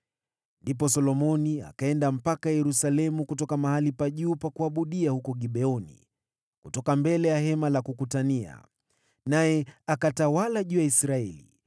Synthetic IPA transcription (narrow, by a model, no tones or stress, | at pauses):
ndip̬ɔsɔlɔmɔnia̰kaɛndam̩pakajɛɾusalɛmukutɔkamahalipaʄuːpakuaɓuɗiahukɔɠiɓɛɔnḭ | kutɔkambɛlɛjaɦɛmalakukutania̰ | najɛakatawalaʄuːaisɾaɛlḭ